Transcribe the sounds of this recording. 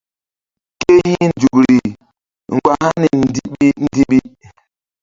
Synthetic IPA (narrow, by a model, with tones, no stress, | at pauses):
ke˦ɲi˦n̩˨d͡ʒu˨kɾi˨ | ŋ̩˨ɡwa˨ha˦ni˨n̩˦˨di˦ɓi˦n̩˦di˦ɓi˦